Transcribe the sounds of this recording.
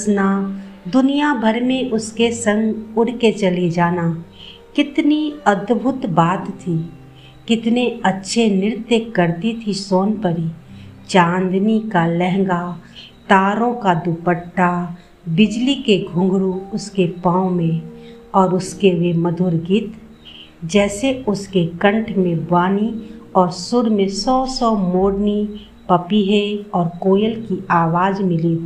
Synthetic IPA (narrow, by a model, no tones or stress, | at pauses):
snad̪ʊnijabʱəɾmẽʔʊskesə̃ŋɡʊɽ̤ket͡ʃəlid͡ʒaːna | kɪt̪niəd̪bʱʊt̪baːt̪ːʰi | kɪt̪neətːʃʰenɪɾt̪jekəɾt̪it̪ʰisoːnpəɾit͡ʃãːnd̪nikalɛɦŋɡa | t̪aːɾõkad̪upəʈːa | bɪd͡ʒlikeɡʱʊ̃ŋɡɾuʊskepãːõmẽɔːɾʊskeʋeməd̪ʱʊɾɡɪt̪ | d͡ʒɛːseʊskekə̃ɳʈʰmẽbaːniɔːɾsʊɽmẽsɔːsɔmoːɽni | pəpiɦɛɔːɾkoːjəlkiaːʋaːd͡ʒmɪli